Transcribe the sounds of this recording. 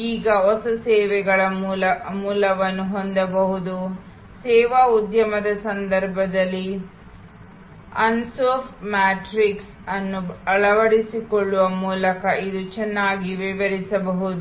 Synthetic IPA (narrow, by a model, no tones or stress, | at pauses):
iːɡɐɔsɐsɛːʋɛɡɐɭɐmuːlɐmuːlɐʋɐnːuɦɔnd̪ɐbɐɦud̪u | sɛːʋaud̪jɐmɐd̪ɐsɐnd̪ɐɾbʱɐd̪ɐlːi | ɐnsoːfʈmaːʈɾiks | ɐnːuɐɭɐʋɐɽisikoɭːuʋɐmuːlɐkɐʔid̪ut͡ʃɛnːaːɡiʋɛʋɐɾisɐbɐɦud̪u